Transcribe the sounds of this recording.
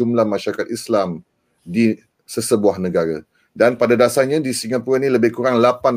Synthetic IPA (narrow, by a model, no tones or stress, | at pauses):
umlahmãʃaɾakat̪islam | di | səsəbuahnə̃ɡaɾa | danpadadasaɲãdisiŋapuɾanĩləbɪhkuɾaŋlapan